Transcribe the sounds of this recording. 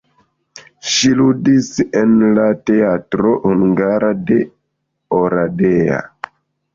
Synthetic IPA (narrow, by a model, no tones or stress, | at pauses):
ʃiludisenlate̞atɾohuŋɡaɾade̞ | oɾadea̰